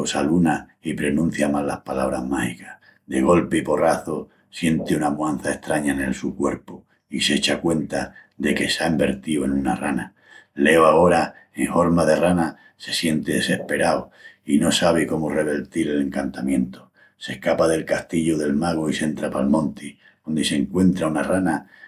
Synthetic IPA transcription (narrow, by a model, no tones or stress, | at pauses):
osaluna | ipɾe̞nũn̟θjamalːahpala̰βɾaɦmahikḁh | d̪e̞ɣ̞o̞lpeipo̞raθo | sje̞nt̪eunamwan̟θaeht̪ɾaɲaene̞̰lsukwe̞ɾpo | iset͡ʃakwe̞nt̪a | ðe̞ke̞saembe̞ɾt̪ioe̞nuna̰rana | le̞oaɣo̞ɾa | eŋho̞ɾmaðe̞rana | se̞̥sje̞nt̪eðese̞hpe̞ɾao | ino̞saβ̞eko̞more̞β̞e̞ɾt̪iɾele̞ŋkant̪amjẽ̞nt̪o | se̞hkapaðe̞lkast̪iʎoðe̞lmaɣ̞oise̞nt̪ɾapalmõ̞nt̪i | ond̪ese̞ŋkwe̞nt̪ɾaunarana